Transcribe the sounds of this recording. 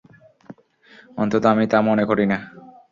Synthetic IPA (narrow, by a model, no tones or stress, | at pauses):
ɔ̰nt̪ot̪oamit̪amonekoɾina